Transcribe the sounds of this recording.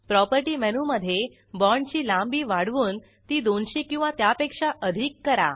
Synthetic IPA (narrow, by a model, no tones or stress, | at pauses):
pɾɔpəɾʈiːmɛnuməd̪ʱje | bɔɳt͡ɕiːlãmbiːʋaɽʋuːn | t̪iːd̪onɕikĩw̃ʋat̪japekʂaʔəd̪ʱikːəɾa̰